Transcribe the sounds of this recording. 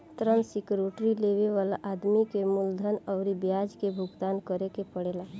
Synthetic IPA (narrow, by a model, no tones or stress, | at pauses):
t̪ɾənsikɾoːʈɾileːʋeʋaːlaʔaːd̪mikemʊld̪ʱənɔʊɾibjaːd͡ʒkebʱʊɡt̪aːnkəɾekepəɽeːla